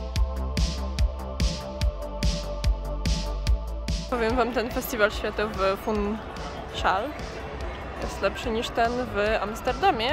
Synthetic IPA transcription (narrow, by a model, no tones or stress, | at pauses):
ɔvʲjɛmvamt̪ɛnfɛst̪ʲivalɕfʲjat̪ɔvɘfun | ʂal | jɛst̪lɛpʂɘɲiʂt̪ɛnva̰mst̪ɛɾd̪amʲjɛ